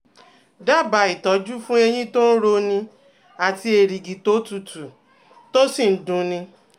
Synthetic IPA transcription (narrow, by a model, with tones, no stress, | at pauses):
da˦˨ba˨˦i˨tɔ˨˦d͡ʒu˦fũ˦e˧j̃ĩ˦to˦n̩˦ɾo˧nĩ˧ | a˨ti˧˦e˨ɾi˨ɡi˨to˨˦tu˨tu˨ | to˦si˦˨n̩˨˦dũ˨˦nĩ˧